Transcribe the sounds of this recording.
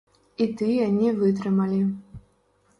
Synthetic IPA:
it̪ɨjanʲivɨt̪̬rɨmalʲi

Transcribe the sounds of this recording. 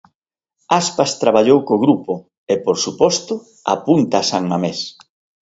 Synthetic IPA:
aspast̪ɾaβaʎowkoɣɾupʊ | epoɾsupɔst̪ʊ | a̰punt̪aːsaŋmames

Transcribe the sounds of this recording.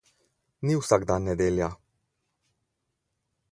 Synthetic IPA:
niwsaɡd̪anːɛd̪eːlja

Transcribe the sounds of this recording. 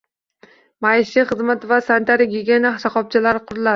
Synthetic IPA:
majɪʃiχɨzmat̪vasant̪ʰaɾɪɡʲeɡʲenahsaqɒp̚t͡ʃʰalaɾɪqʰʊɾla

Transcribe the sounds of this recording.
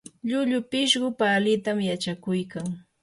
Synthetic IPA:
ʎʊʎʊpɪʃɢʊpalɪt̪amjat͡ʃakʊjkaŋ

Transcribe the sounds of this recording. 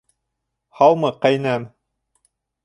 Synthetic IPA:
hɑw̪ˠmɤqæjnæm

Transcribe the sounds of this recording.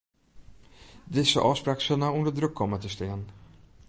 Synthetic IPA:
d̪ɪsə̰ʔɑːspɾaksənaɔmd̪əd̪ɾɵkʰːɔmːat̪ʰɪst̪eːn

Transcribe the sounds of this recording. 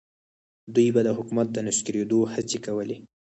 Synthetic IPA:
d̪ujbad̪əɦʊkumat̪̚d̪ənɪsɡəɾed̪ohat͡sekawəle

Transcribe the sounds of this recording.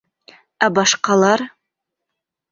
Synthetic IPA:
æbɑʃqɑlˠɑɾ

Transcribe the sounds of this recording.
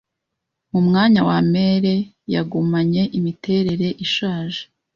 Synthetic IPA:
mumŋaːɲawame̞ːɾe̞ | ja̰ɡumaɲe̞ʔimite̞ɾe̞ɾe̞ʔiʃaːʒe

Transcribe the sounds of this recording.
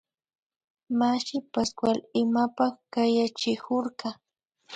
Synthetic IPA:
maʃɪpaskwalɪmapaχkajat͡ʃɪkʊɾɢɑ

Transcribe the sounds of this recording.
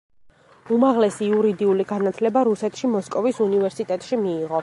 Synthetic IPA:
umaʁlɛsiuɾid̪iuliɡanat̪ʰlɛbaɾusɛt̪ʰʃimɔskʼɔvisunivɛɾsit̪ʼɛt̪ʼʃimiːʁɔ

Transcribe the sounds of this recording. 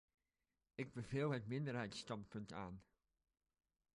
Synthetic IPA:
ɪɡ̚bəvɪːlˠɦətmɪndəɹɦɛjtstɑnpɵnta̰ːn

